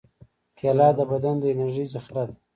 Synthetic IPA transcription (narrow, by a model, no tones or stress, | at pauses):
kʰelɑːd̪əbad̪and̪əenaɾʒəjzaxɾad̪